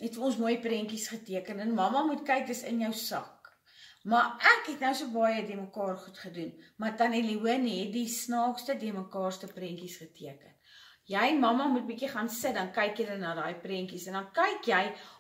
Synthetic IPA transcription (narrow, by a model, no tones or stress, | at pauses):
ɛtfɔnsmuəjprɛŋkisχətiəkənənmɐmɐmutkɐjk̚dəsə̰njœwsɐ̰k | mɑʔækɦɛtnəwsuəbɑjədiəməkɑːrχutχədunmɐtɐneliuənɦɛt̚disnɑːkstədiəməkɑːrstəprɛŋkisχətʰiəkən | jəjmɐmɐmut̚bikiχɑnsət̚dɐnkɛjkjələnɑdɑːjprɛŋkisɛndɐnkɛjkjɛj